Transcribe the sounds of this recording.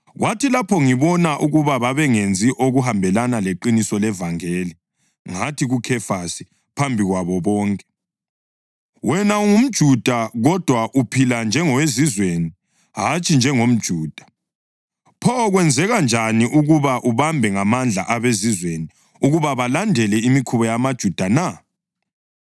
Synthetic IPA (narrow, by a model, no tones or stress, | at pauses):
ɣwatilapʰɔŋiβɔnaʔuɣuβaβaβɛŋend͡zʱiʔoɣuɦambʱɛlanaleǃinisɔlɛvaŋeːli | ŋatʰiɣukʰɛfasi̥ | pʰambʱiɣwaβɔβɔːŋkʼɛ̥ | wʔɛnauŋum̩d̥ʒ̥ʱud̥ʱaɣɔd̥ʱwaʔupʰiland͡ʒʱɛŋɔwezizweni | ɦat͡ʃʼind͡ʒʱɛŋom̩d̥ʒ̥ʱuːd̥ʱḁ | pʰɔːɣwɛnd͡zʱɛɣand͡ʒʱaniʔuɣuβaʔuβambʱɛŋamand͡ɮʱa̰ʔaβezizweni | uɣuβaβalandʱɛlɛimikʰuβɔjamad̥ʒ̥ʱud̥ʱana